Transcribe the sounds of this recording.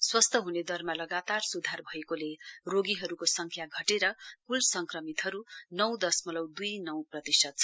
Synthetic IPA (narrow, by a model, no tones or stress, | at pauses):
swʌst̪ʰʌɦuned̪ʌrmalʌɡat̪arsud̪ʱarbʱʌekoleroɡiɦʌɾukosʌŋkʰjaɡʱʌʈeɾʌpulsʌŋkrʌmit̪ɦʌɾunʌw̃d̪ʌsmʌlʌwd̪ujnʌwprʌt̪isʌt̪̚t͡sʰʌ